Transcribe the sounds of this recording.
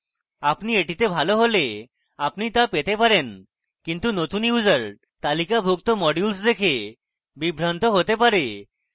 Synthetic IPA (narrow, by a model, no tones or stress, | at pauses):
apnieʈit̪ebʱaloɦole | apnit̪apet̪epaɾen | kint̪unot̪unjud͡zəɾ | t̪alikabʱukt̪ɔmɔɖjulsd̪ekʰe | bibʱɾant̪ɔɦot̪epaɾe